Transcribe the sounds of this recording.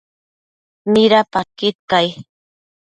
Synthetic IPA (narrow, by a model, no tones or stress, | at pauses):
mɪɾapakɪt̪̚kaj